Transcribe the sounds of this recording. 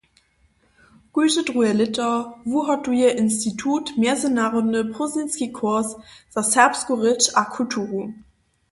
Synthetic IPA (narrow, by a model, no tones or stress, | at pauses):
ɡ̥uːzədʁuɛlɪtɐvuɦatuiɐʔɪnstitʰuːtmɛɐzənaʁonəpʁozɪnskikʰɔɐsz̥asɛɐpskuʁɪt͡ʃakʰutʰuʁu